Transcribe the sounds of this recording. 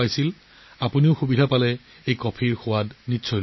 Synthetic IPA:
ajsil | apuniʊxubidʱapalɛ | ejkɔpʰiɹxʊwadnitːsʰɔjl

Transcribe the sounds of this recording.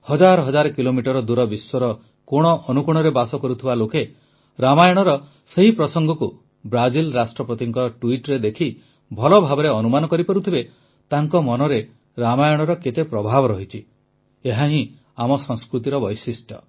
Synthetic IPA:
hɔd͡ʒaɾɔɦɔd͡ʒaɾɔkilomiʈɔɾɔd̪uɾɔbiswɔɾɔ | koɽ̃ɔʔɔnukuɽ̃ɔɾebasɔkɔɾut̪ʰibaloke | ɾamajɔɽ̃ɔɾɔ | seɦipɾɔsɔŋɡɔku | bɾad͡ʒilɾasʈɾɔpɾɔt̪iŋkɔʈuiʈɾed̪ekʰi | bʱɔlɔbʱabɔɾeɔnumanɔkɔɾipɔɾut̪ʰibe | t̪aŋkɔmɔnɔɾe | ɾamajɔɽ̃ɔɾɔket̪epɾɔbʱabɔɾɔɦit͡ʃʰi | eɦaɦĩ | amɔsɔŋskɾut̪iɾɔbɔjsisʈʰɔ̰

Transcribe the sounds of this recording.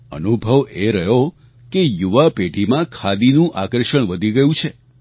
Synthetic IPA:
ə̰nubʱəʋeɾəɦjo | kejuʋapeɖʱimãkʰad̪inũʔakəɾʃəɽ̃ʋəd̪ʱiɡəjũt͡ʃʰe

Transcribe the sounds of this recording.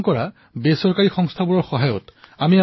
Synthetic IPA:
kɔɹa | besɔɹkaɹixɔŋstʰabuɹɔɹxɔɦajʊtamia

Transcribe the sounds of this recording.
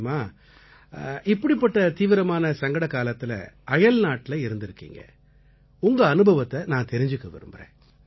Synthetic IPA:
maː | ʔɪpːɐɽipːɐʈːɐt̪iːʋɪɾɐmaːnɐsɐŋɡɐɽɐkaːlɐt̪ːɪlɐ̰ʔɐjɐlnaːʈːɪlɐɪɾɯnd̪ɪɾɯkːḭːŋɡɐ̰ | ʊŋɡɐːnɯbʱɐʋɐt̪ːɐnãːt̪ɛɾɪɲd͡ʒɯkːɐʋɪ̰ɾɯ̰mbɪɾḛ̃ː

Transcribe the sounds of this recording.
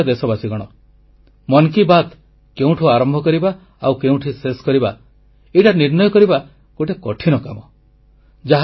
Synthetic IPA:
ɔd̪esɔbasiɡɔɽ̃ɔ | mɔnkibat̪ | keũʈʰuaɾɔmbʱɔkɔɾiba | awkeũʈʰiseskɔɾiba̰ | eʈaniɾnɔjɔkɔɾiba | koʈekɔʈʰinɔka̰mɔ | d͡ʒaɦ

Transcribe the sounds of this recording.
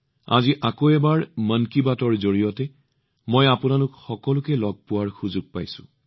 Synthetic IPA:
a̰ziʔakoɛbaɹmənkibatɔɹzoɹijɔtɛ | mojapʊnalʊkxɔkɔlʊkɛlɔɡ̚pʊwaɹxuzuɡ̚pa̰jsʊ̰̃

